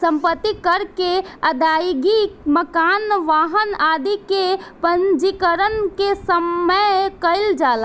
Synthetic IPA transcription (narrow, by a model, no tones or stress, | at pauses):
səmpət̪ːikəɾkeəd̪ajɡiməkanʋaɦənad̪ikepənd͡ʒikəɾənkesəməjkəɪld͡ʒala